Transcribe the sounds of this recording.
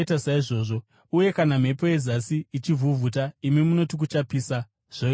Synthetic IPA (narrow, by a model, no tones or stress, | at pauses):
tasaiʐo̞ːʐo̞ | uje̞kanam̤e̞po̞ezasiːt͡ʃivʱuvʱut̬aimimuno̞tik̬ut͡ʃapisa | ʐ̥o